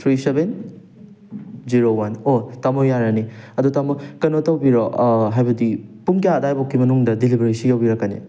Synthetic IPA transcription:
t̪ʰɾiseben | ziɾowanotamojaɾɐniɐdutamokɐnotɐwbiɾɔɦajbɐdipuŋkaːdajbokːimɐnuŋdɐdilibeɾisijawbiɾɐkːɐnḭ

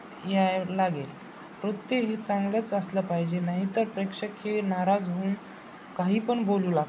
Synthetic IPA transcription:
jalaɡel | ɾot̪ːeɦet͡sãŋɡlət͡səsləpaɦid͡ʑenaɦit̪əɾpɾekʂəkhenaɾad͡zɦoːn | kaɦiːpəɳboluːlaɡ̪

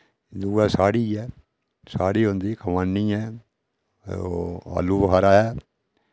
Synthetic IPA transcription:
d̪uːaːsaːɽiːɛː | saːɽiːɦõːnd̪iːkəmaːnːiːɛː | a̰ːluːbəɦaːɾaːɦɛː

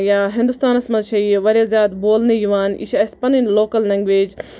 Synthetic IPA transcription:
jaːɦɪ̃nd̪ust̪aːnɐsmɐt̪ʃʰɐiʋɐɾjaːzjaːd̪boːlnejiʋaːnḭʃɐspɐninloːkɐlnɐŋɡʋeːd͡ʒ

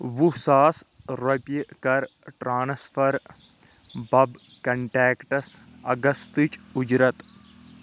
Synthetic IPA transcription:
ʋusaːsɾɐpjkɐɾʈɾaːnsfɐɾ | bɐb | kɐɳʈɛːkʈɐs | ɐɡɐst̪ɨt͡ʃud͡ʒɾɐt̪

